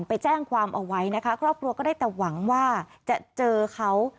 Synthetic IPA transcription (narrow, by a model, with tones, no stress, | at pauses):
npa˧jt͡ɕɛː˥˩ŋkʰwaː˧mʔa˧wa˦˥jna˦˥kʰa˦˥kʰɾɔː˥˩p̚kʰɾu˧ɐkɔː˥˩daː˥˩jt̪ɛː˨˩wa˩˦ŋwaː˥˩t͡ɕa˨˩t͡ɕɤː˧kʰa˦˥w